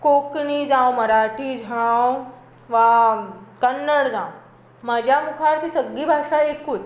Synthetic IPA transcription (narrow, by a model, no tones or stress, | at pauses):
kokɳid͡zãwməɾaʈʰiːd͡ʑʱãw | ʋa | kənːəɽd͡zãw | mad͡ʑʱjamukʰaɽt̪isəɡːiːbʱaʂaekkʰuːt